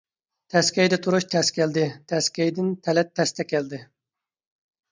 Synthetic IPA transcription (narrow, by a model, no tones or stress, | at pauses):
t̪ʰɛskʲɛjd̪ɛt̪ʰuɾuʃt̪ʰɛskʲɛld̪ɪt̪ʰɛskʲɛjd̪ɪnt̪ʰɛlɛt̪ʰːɛst̪ʰɛkʲɛld̪ɪ